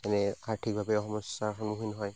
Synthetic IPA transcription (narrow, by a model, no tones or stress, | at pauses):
tɛnɛaɹtʰik̚bʱabɛɔxɔmɔsaxɔnmuɦujnɔɦɔj